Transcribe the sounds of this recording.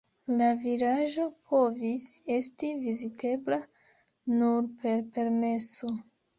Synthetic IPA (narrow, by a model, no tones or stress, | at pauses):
lavilaʒo̞pʰo̞vise̞stivizitʰe̞bla | nuɾpe̞ɾpe̞ɾme̞so